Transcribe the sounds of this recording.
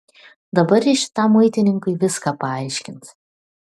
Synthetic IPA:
d̪ɐbɐɾjɪʃʲɪ̥t̪ɑmːɐɪt̪ʲɪnʲɪŋkɐɪʋʲɪskɑːpɐɑɪʃʲkʲɪnt̪s

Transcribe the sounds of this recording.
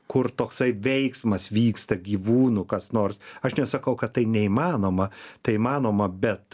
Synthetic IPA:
kʊrt̪oːksɐɪʋʲɛɪksmɐsʋʲiːkst̪ɐɡʲiːʋuːnʊkɐsnoːrsɐʃnʲɛsɐkɐʊkɐt̪tɐɪnʲɛimɑːnoːmɐt̪ɐɪimɑːnoːmɐbʲɛt̪

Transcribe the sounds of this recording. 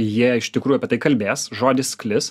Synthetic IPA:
jiɛɪʃt̪ʲɪkɾuːjuɐpʲɛt̪ɐɪkɐlʲbʲeːsʒoːd̪ʲɪsklʲɪs

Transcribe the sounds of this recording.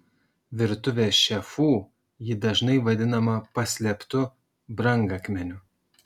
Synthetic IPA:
ʋʲɪɾt̪ʊʋʲeːsʃʲɛfuː | jɪd̪ɐʒnɐɪʋɐd̪ʲɪnɐmɐpɐsʲlʲɛpt̪ʊ | bɾɐŋɡɐkmʲɛnʲʊ

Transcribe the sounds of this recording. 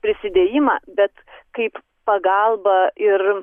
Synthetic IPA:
pʲɾʲɪsʲɪd̪ʲeːjɪmɑːbʲɛt̪kɐɪp | pɐɡɐlˠbɐʔɪr

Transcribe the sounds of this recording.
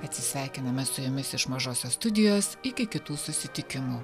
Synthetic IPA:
ɐt̪ʲsʲɪsʲʋʲæˑɪkʲɪnɐmʲɛsʊjʊmʲɪsɪʃmɐʒoːsʲoːst̪ʊd̪ʲɪjoːsɪkʲɪkʲɪt̪uːsʊsʲɪt̪ʲɪkʲɪmuː

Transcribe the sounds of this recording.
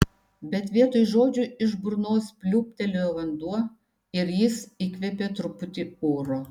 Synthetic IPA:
bʲɛt̪ʋʲiɛt̪oːjʒoːd͡ʒʲʊɪʒbʊɾnoːspʲlʲuːpʲt̪ʲɛlʲoːjʋɐnd̪uɔ | ɪɾjɪsiːkʋʲɛpʲeːt̪ɾʊpʊt̪ʲiuːɾoː

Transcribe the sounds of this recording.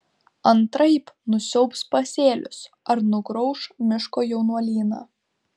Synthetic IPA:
ɐnt̪ɾɐɪpnʊsʲɛʊpspɐsʲeːlʲʊ̰s | ɐɾnʊɡɾɔʊʃmʲɪʃkoːjɛʊnuɔlʲiːnɑ̰ː

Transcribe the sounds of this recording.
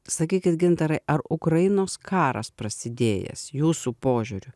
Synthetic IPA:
sɐkʲiːkʲɪt̪ɡʲɪnt̪ɐɾɐɪʔɐɾʊkɾɐjɪnoːskʰɑːɾɐ̰spɾɐsʲɪd̪ʲeːjɛ̰sjuːsuːpoːʒʲuːɾʲʊ

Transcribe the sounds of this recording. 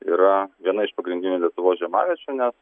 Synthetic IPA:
iːɾɐʋʲiɛnɐɪʃpɐɡɾʲɪnd̪ʲɪnʲulʲiɛt̪ʊʋoːsʒʲɛmɑ̰ːʋʲiɛt͡ʃʲuːnʲɛs

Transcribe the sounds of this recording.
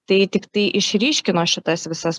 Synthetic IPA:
t̪ɐɪt̪ʲɪkt̪ɐɪʔɪʃʲɾʲiːʃʲkʲɪnoːʃʲɪt̪ɐsʋʲɪsɐs

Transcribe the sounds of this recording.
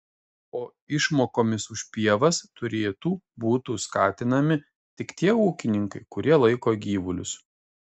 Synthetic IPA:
oː | ɪʃmoːkoːmʲɪsʊʃʲpʲiɛʋɐst̪ʊɾʲeːt̪uːbuːt̪uskɑːt̪ʲɪnɐmʲɪ | t̪ʲɪkt̪ʲiɛuːkʲɪnʲɪŋkɐɪkʊɾʲiɛlˠɐɪkoːɡʲiːʋʊlʲʊ̰s

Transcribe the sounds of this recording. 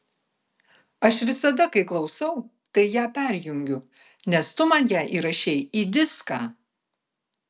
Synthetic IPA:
ɐʃʋʲɪsɐd̪ɐkɐɪklˠɒʊsɐʊ | t̪ɐɪjæːpʲæˑɾʲjʊŋʲɡʲʊ | nʲɛst̪ʊmɑːjæːʔiːɾɐʃʲɛjiːd̪ʲɪskɑː

